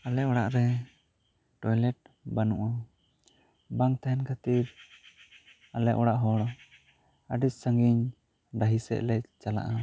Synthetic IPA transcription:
alɛɔɽaʔɾɛ | ʈɔjlɛʈ̚ | banṵʔa | baŋt̪aɛnkʰat̪iɾ | alɛʔɔɽaʔɦɔɽɔ | aɖissaŋɡiɲ | ɖaɦisɛ̰ʔlɛct͡ʃala̰ʔa

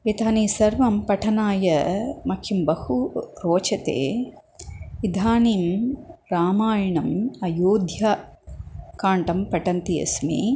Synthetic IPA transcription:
et̪aːniːsɐɾʋɐmpɐʈʰɐnaːjɐmɐkʰjimbɐhuɾoːt͡ʃɐt̪ḛː | ʋid̪ʱaːniːmɾaːmaːjɐɳɐmɐjoːd̪ʱja | kaːɳʈɐmpɐʈɐnt̪iɐ̰smḭ

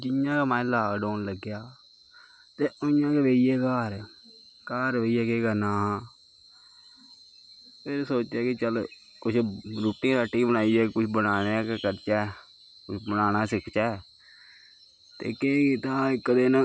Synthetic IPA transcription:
d͡ʒɪjãːkaːmãːlaːɡɖoːnləɡːɪjaː | t̪eːʊjãːkeʋeːiɛːkaːɾ | kaːɾʋeːiɛːkeːɡənaː | pʰeɾsoːt͡ʃɛːkɪt͡ʃəl | kʊt͡ʃʰɾuːʈĩːɾaʈːiːbəɽaːiːɛːkʊt͡ʃʰbənaːnekekəɾt͡ʃɛː | kʊt͡ʃʰbənaːnaːsɪkʰt͡ʃɛː | t̪ḛːkẽkit̪ãːkəd̪eːnə

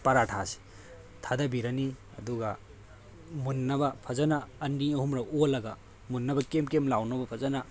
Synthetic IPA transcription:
pɐɾatʰasi̥ | tʰadɐbiɾɐni | ɐ̰duɡa | munːɐbɐpʰɐzɐnaːndiɐhumɾɐolɐɡa | munːɐbɐkemkemlawnɐbɐpʰɐzɐna

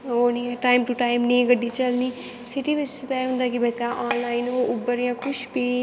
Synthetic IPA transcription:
oːnĩːɛʈaːɪmʈuʈaːɪmnĩːɡəɖːiːt͡ʃəlniː | sɪʈiːbɪt͡ʃst̪aɦʊ̃nd̪aːkibɛt̪ãːʔaːnlaːɪnoːʊbəɾijãːkʰʊʃbiː

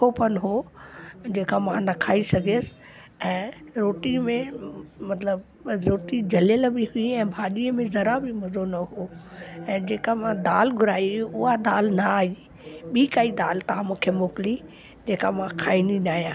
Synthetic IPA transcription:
opənɦo | d͡ʑeːkamãnɐkʰaːisɐɡʱeːsɪ̥ | ɛ̃ːɾoːʈimẽmɐt̪ləb | ɾoːʈid͡ʑʱɐljəlbɪɦʊiɛ̃ːbʱaːɗiːəmẽzɐɾabɪmɐzonɐɦoːɛ̃ːd͡ʑeːkamãd̪aːlɡʱʊɾaːiʊɦad̪aːlnaaːɦi | ɓiːkaːid̪aːlt̪ɐɦãmũːkʰemoːkɪli | d͡ʑeːkamãkʰaːindinaːɦijãː

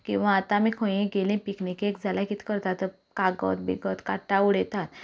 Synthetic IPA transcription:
kĩw̃ʋaːt̪amiːkʰə̃jĩɡelĩpiknikekd͡zʱalakit̪ʰi̥kəɾt̪at̪ə | kaɡə̰t̪bḭɡət̪kaʈauɽɛt̪at̪

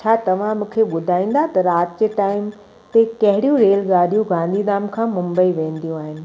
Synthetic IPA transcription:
t͡ɕʰaːt̪ɐʋ̤ãmũːkʰeɓʊd̪ʱaːĩːn̆d̪at̪ɐɾaːt̪d͡ʑeʈaːɪm | t̪ekɐɦɪɽijũɾeːlɡaːɗijũɡãːnd̪ʱiːnaːmkʰãːmʊ̃mbəiʋẽːnd̪ijũaːɦɪnɪ̆

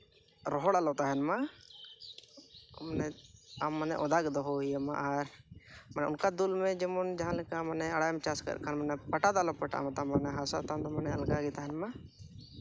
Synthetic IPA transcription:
ɾɔɦɔɽalɔt̪aɦɛnma | manɛamːanɛ̰ʔɔd̪aɡd̪ɔɦɔijəma̰ʔaɾmanɛʊnkad̪ulmɛd͡ʒɛmɔnd͡ʒaɦãlɛkamanɛaɽajmt͡ʃaskə̰ɾkʰanmanɛpaʈad̪alɔpəʈa̰mɔt̪amanɛɦasat̪and̪ɔmanɛalɡaɡɛt̪aɦɛnma

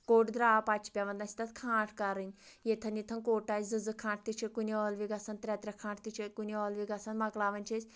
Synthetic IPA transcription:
koʈd̪ɾapat͡ʃʰpʲjaʋɐnd̪nasʲi̥t̪at̪kʰãːʈʰkaɾɨnʲjet̪ʰɐnjit̪ʰɐnkoʈat͡sd͡zɨd͡zɨkʰãʈ̚t̪it͡ʃʰekuniɔlʋiɡasant̪ɾʲat̪ɾʲakʰãːɳʈ̚t̪it͡ʃʰekunʲiɔlʋiɡasanmaɡlaʋɐnt͡ʃesʲ

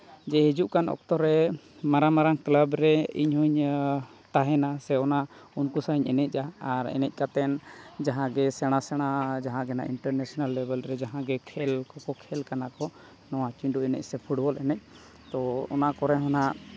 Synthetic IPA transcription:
d͡ʒɛɦid͡ʒuʔkanɔ̰k̚t̪ɔɾɛ | maɾamaɾaŋkləbɾɛḭɲhuɲ | t̪aɦɛnasɛɔnaunkusaɲɛ̰nɛc̚ˀʔaaɾɛ̰nɛc̚ˀkat̪ɛnd͡ʒaɦãɡɛsɛɽ̃asɛɽ̃ad͡ʒaɦãɡɛna̰ʔiɳʈəɾnɛsɔnalːɛbəlɾɛd͡ʒaɦãɡɛkʰɛlkɔkɔkʰɛlkanakɔ | nɔwat͡ʃiɳɖuɛnɛ̰c̚sɛpʰuɽbɔlʔɛnɛc̚ˀ | t̪ɔɔ̰nakɔɾɛɦɔna

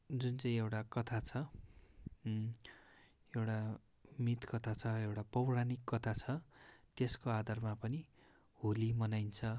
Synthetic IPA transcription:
d͡zunt͡sʌ̃ĩewʈakʌt̪ʰat͡sʰʌ | ewʈa | mit̪kʌt̪ʰat͡sʰʌewʈapʌwranikːʌt̪ʰat͡sʰʌt̪eskoad̪ʱarmapʌni | hulimʌnajnt͡sʰʌ

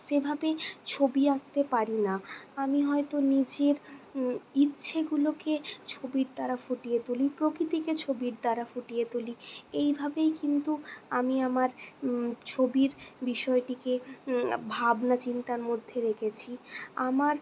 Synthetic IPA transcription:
ʃebʱabet͡ɕʰobiɾak̚t̪epaɾinaamiɦɔet̪onid͡ʑeɾ | itːɕʰeɡuloket͡ɕʰobiɾd̪aɾafoʈijet̪olipɾokɾit̪iket͡ɕʰobiɾd̪aɾafoʈijet̪oliejbʱabejkint̪uamiamaɾ | t͡ɕʰobiɾbiʃɔeʈike | bʱabnat͡ɕint̪aɾmod̪ʱːeɾekʰet͡ɕʰiamaɾ

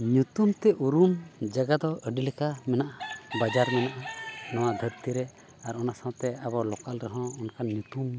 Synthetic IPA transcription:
ɲut̪umt̪ɛʔuɾumd͡ʒaɡad̪ɔʔəɖilɛkamɛnaʔabad͡ʒaɾmɛnaʔanawad̪ʱəɾt̪iɾɛ | aɾɔnasawt̪ɛabalɔkalɾɛɦɔ̃ɔnkaɲut̪um

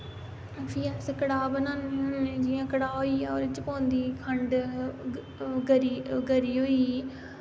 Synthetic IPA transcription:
fʰiːaskəɽaːbənaːnnd͡ʒiːãːkəɽaːɦoːiːɔːɾt͡ʃɪpõːnd̪iːkʰəɳɖ | ɡəɾiːɡəɾiːɦoːiː

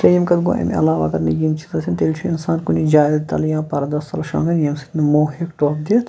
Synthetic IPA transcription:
sɐjimkɐd̪ɡo̰ːʔɐ̰mʲɐ̰laːʋa̰ːkɐɾnɐjimt͡ʃʰit̪ɐsʰʲint̪eːlʲt͡ʃʰuinsaːnkunid͡ʒaːjzt̪ɐljãːpɐɾɐd̪ɐst̪ɐlɐʃã̰ːŋɡɐnjɐmsi̥t̪nɐmoːɦikʈoːp̚d̪it̪ʰ

